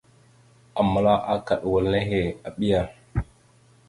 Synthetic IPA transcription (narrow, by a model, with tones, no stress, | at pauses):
a˨ma˨˦la˦ʔa˦ka˨ɗwə˨lne˦ɦe˨a˨ɓi˦ja˨